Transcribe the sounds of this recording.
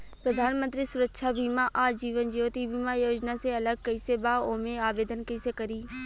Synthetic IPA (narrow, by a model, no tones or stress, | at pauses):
pɾəd̪ʱaːnmə̃nt̪ɾisʊɾəkʃʰabʱiːmaʔaːd͡ʒiːʋənd͡ʒiːʋot̪ibʱiːmajoːd͡ʒnaseɐləɡ̚kɐɪsebaoːmẽaːʋeːd̪ənkɐɪsekɐɾiː